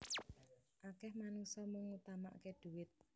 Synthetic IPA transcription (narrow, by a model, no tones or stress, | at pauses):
ʔakɛhmanusɔməŋut̪ama̰ʔkeɖ̪̥uwɪt̪̚